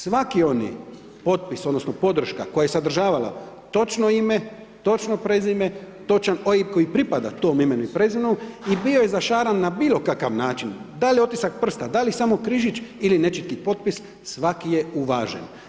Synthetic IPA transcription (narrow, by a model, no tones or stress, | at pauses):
sʋakio̞nḭ | po̞t̪̚pisod̪no̞snopo̞d̪r̩ʃka̰ko̞jaje̞sad̪r̩ʒaːʋala̰ | t̪o̞t͡ʃnoime | t̪o̞t͡ʃnopɾe̞zime̞t̪o̞t͡ʃanojiko̞jipɾipad̪at̪o̞ːmime̞nuipɾe̞zinuibio̞jezaʃaːɾanːabiːlˠo̞kakaʋnaːt͡ʃind̪aljeo̞t̪isak̚pr̩st̪ad̪alisamo̞kɾiʒit͡ʃiline̞t͡ʃit̪̚kipo̞t̪pis | sʋakije̞uʋaːʒḛn